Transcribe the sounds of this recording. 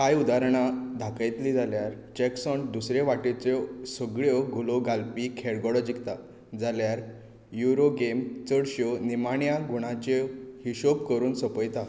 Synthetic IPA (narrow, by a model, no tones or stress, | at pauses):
kajud̪aɾɳ̃ad̪ʱakajt̪liːd͡zaljaɾ | t͡ɕɛksɔɳd̪usɾeʋaʈet͡sɔsəɡɭjɔɡʱulɔɡalpikʰɛɽɡɔɽɔd͡ʑikt̪a | d͡zaljaɾ | juɾoɡemt͡səɽɕɔnimaɳjaɡuɽ̃ãt͡ɕehiɕopkəɾuːnsəpəjt̪a